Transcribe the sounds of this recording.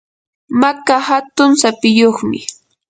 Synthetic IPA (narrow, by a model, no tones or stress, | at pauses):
makahat̪ʊŋsapɪjoχmɪ̰